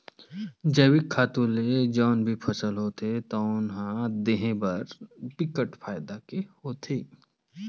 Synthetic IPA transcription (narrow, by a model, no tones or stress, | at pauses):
d͡ʒɐwikʰːaːt̪uled͡ʒɔːnbʱipʰɐsəlɦoːt̪ʰet̪oʊnɦãd̪eɦẽbɐɾpɪkəʈfʰaːɪd̪akehoːt̪ʰeː